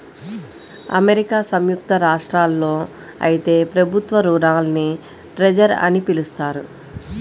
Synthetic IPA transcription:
ɐ̰meɾikaːsɐmjuk̚t̪ɐɾaːʂʈɾaːlːo̞ː | ɐ̰jit̪e̞ːpɾɐbʱut̪ʋɐɾuːɾaːlni | ʈɾed͡ʒɐɾɐ̰nipilust̪aːɾu

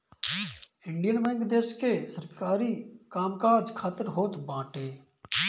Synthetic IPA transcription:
ɪɳɖijənʋəŋɡd̪eːʃkesəɾkaːɾiːkaːmkaːd͡ʒkʰaːt̪əɾɦoːt̪bãːʈeː

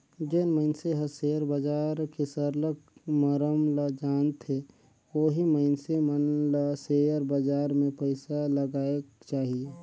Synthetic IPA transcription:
d͡ʒenməɪnseɦəseəɾbəd͡ʒaːɾkesəɾləkməɾəmləd͡ʒaːnt̪e | oːɦiməɪnsemənləsejəɾbəd͡ʒaːɾmẽpəɪsaləɡaːeɡt͡ʃaːɦie

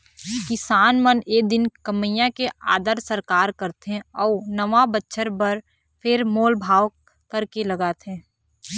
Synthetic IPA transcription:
kɪsaːnməned̪ɪnkəməjãkea̰ːd̪əɾsəɾkaːɾkəɾt̪ɦẽɔːnəʋabətːʃʰəɾbəɾ | pʰɪɾmoːlbʱaːʋ | kəɾkeləɡaːt̪ɦẽː

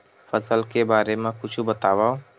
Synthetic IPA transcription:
fɐsəlkebaːɾemẽkʊt͡ʃʰubɐt̪aːʋao

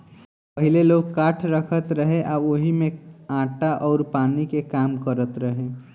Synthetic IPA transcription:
pɐɦɪleloːɡ̚kaːʈʰɾəkʰət̪ɾəɦẽʔaːoɦimẽãːʈaʔɔːɾpaːnikekaːmkəɾət̪ɾəɦẽː

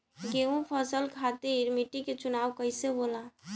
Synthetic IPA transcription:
ɡeũpʰəsəlkʰat̪eɾmiʈiket͡ʃunawkəjsebola

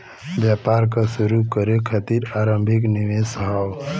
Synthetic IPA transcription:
bjapaɾkəsuɾukəɾekʰət̪iɾaɾəmbʱik̬niʋesɦaw

